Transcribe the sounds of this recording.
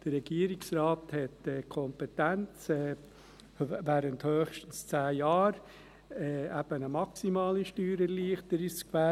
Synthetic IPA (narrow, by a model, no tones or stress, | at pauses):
d̥əɾɛɡ̥iəɾiksɾɑːthɛtɛːkʰɔmpɛtænt͡sɛ | væːɾənthøːχʃtən̩st͡sæːjɑːɾ | ɛæb̥ənəmɑksimɑːliʃtyːɾəliəχtəɾiskvæ